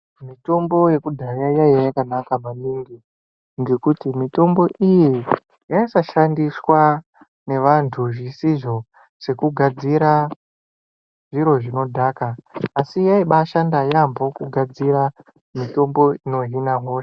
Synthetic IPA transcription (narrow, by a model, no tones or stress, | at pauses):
mito̞mbo̞je̞kudʱajajajajakanakamaniːŋɡi | ŋɡe̞kutimito̞mbo̞ʔiji | jaisaʃandiswa | ne̞ʋantʰuʐisiʐo̞ | se̞kuɡʱad͡ziɾa | ʐ̥iɾo̞ʐino̞dʱaːkaːsijaiɓaʃandajambo̞kuɡʱad͡ziɾa | mito̞mbo̞ino̞ɦinaɦo̞ʃe